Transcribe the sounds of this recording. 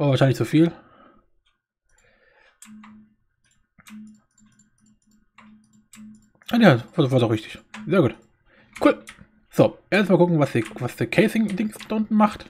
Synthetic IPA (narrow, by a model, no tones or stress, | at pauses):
ʔavaːʃaɪnlɪçt͡sufiːl | anavavaːdɔχʁɪçtɪ̥çzeːɐɡuːt | kʰuːl | z̥oːʔeːɐstmaːlkɡʊkŋ̩vasd̥ivasd̥əːkʰɛɪsɪŋdɪŋsd̥aʊntn̩maχt